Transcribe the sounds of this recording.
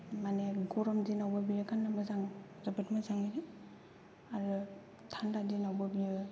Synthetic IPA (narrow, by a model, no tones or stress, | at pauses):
maneɡɔɾɔmdinawbabijɯkʰanːɯmɯzaŋzabɯtmazaŋiɾe | aɾɯ | tʰandadinawbabijɯ